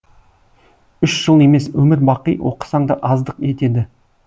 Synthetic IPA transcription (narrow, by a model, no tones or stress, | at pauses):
ʏʃʒ̥əlˠe̞me̞swɵmɪɾbɑqijwo̰qə̥sɑɴd̪ə̰ʔɑzd̪əqe̞t̪e̞d̪ɪ